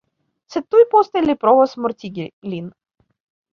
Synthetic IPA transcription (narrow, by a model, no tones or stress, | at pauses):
set̪ːujpɔst̪ɐlʲipɾɔvɔsmʊrt̪ʲiɡʲlʲin